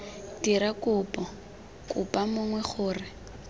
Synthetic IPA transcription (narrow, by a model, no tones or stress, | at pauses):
tiɾakʼʊpʼɔ | kʼʊpʼamʊŋwɛχʊːrɪ